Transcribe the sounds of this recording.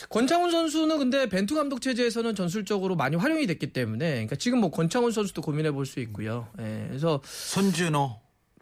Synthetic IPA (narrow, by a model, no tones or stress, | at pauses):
kʌnt͡ɕʰaŋunsʰʌns̬ʰunɯnkɯnde̞pe̞ntʰuɡamdok̚t͡ɕʰe̞d͡ʑe̞ːsʰʌnɯnt͡ɕʌns̬ʰuɭt͡ɕ͈ʌɡɯɾomaɲiɸwaɾjoŋidwe̞k͈̚it͈e̞mune̞ɲik͈at͡ɕiɡɯmːwʌkʌnt͡ɕʰaŋunsʰʌnsʰud̥okominɦe̞boɭs͈uik̚k͈ujoje̞es̬ʰʌsʰond͡ʑunʌ